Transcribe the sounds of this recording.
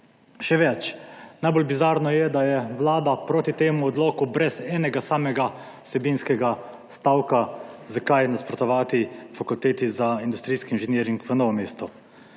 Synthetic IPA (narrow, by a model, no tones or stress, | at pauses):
ʃɛʋɛt͡ʃnajboːlbizaːɾnɔjɛd̪ajɛʋlaːd̪apɾoːt̪it̪eːmuɔd̪loːkubɾɛsɛːnɛɡasaːmɛɡa | usɛbinskɛɡa | st̪awkazakajnaspɾɔt̪ɔʋaːt̪ifakult̪eːt̪izaind̪ust̪ɾiːskiinʒɛnjeːɾiŋkʋənɔːʋɔmeːst̪ɔ